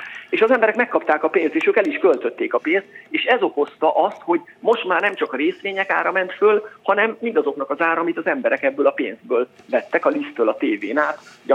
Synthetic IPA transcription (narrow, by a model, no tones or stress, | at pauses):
eːʃɒzɛmbɛɾɛkmɛkːɒpt̪aːkɒpeːnst̪eːʃøːkɛliʃkølt̪ø̞t̪ːeːkɒpeːnst̪eːʃɛzo̞ko̞st̪ɒʔɒst̪ho̞ɟmo̞ʃt̪maːrnɛmt͡ʃɒkɒɾeːsʋeːɲɛka̰ːɾɒmɛnt̪følhɒnɛmːind̪ɒzo̞knɒkɒzaːɾɒmit̪ɒzɛmbɛɾɛkɛbːøːlɒpḛːnzd̪̚bøːlvɛt̪ːɛkɒlist̪ːøːlɒt̪eːveːnaːt̪